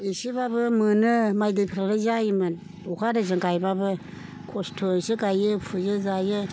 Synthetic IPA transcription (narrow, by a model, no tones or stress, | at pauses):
isibabɯmɯnɯmajdɯjpʰɾalɯzajimɯn | ukʰaɾɯzɯŋɡajbabɯ | kʰɔstʰosɯɡajɯpʰɯzɯzajɯ